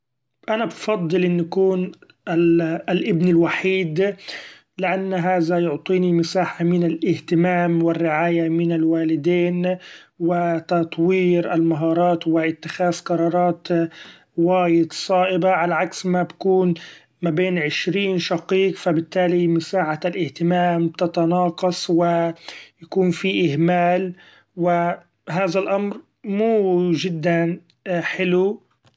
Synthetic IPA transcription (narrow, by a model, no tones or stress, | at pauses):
ʔanabfɑd̪ˤːɨlʔɪnːakuːn | lʔɪbnɪlwaħiːd̪ | lɪʔanːɦaːðajʊʕt̪ˤiːnimɪsaːħamɪnɪlʔɪht̪ɪmaːmwɪrːɪʕaːjamɪnɪlwaːlɪd̪eːnwɪt̪ɑt̪ˤwiːɾʔalmaɦɑːɾˤɑːt̪wɪʔɪt̪ːɪxaːzqɑɾˤɑːɾˤɑːt̪ | waːjɪd̪sˤɑːʔɪbaʕalaʕaksmabakuːn | mabeːnʕɪʃɾiːnʃɑqiːqfabɪt̪ːaːlimʊsaːʕaalʔɪht̪ɪmaːmb̚t̪ɪt̪ɑnɑːqɑsˤwɪjakuːnfiʔɪhmaːl | wɪ | ɦaːðalʔamɾ | muːʒɪd̪ːan | ħɪlu